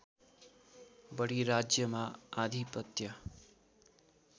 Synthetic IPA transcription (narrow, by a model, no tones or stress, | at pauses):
bəɽiɾad͡ʒjəmãad̪ʱipət̪jə